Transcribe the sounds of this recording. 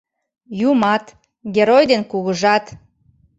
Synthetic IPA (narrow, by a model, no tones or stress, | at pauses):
jumɑt̪ | ɡʲeɾojd̪enkuɣəʒɑt̪